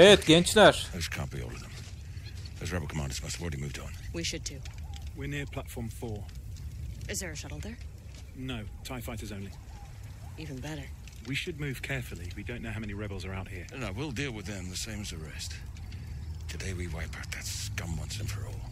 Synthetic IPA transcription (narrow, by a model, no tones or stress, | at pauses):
ɛtɡɛ̃nt͡ʃnəʃðoʊz̥kʰɑ̰̃ˑnb̥io̰ʊlʌvðə̃m | ðoʊzɹɛbl̩ˠkʰəmãndəzmʌstl̩ˠɹɛɾimʉvdn̩wiʃɨd̚tʰɨwɪɹnɪɹpʰl̥atfɔːɱfɔɹ | ɨzðə˞ɨsʌɾl̩ˠdə˞ | noʊtʰaɪfaɪɾəzõʊ̃nli | ivɨ̃nbɛɾə˞ | wiʃɨd̚mʉːv̥kʰɛɹfəlˠiwidõʊ̃nːoʊhaʊmɛ̃niɹɛbl̩ˠzə˞aʊt̚hiɹnoʊwilˠdilˠwɨðɨ̃mðɨsẽɪ̃mɨzðɨɹɛst | tʰɨdeɪwiwaɪpʰaʊt̪̚ðætskʌ̃mwʌ̃nsɪ̃nfə˞ɔ̰lˠ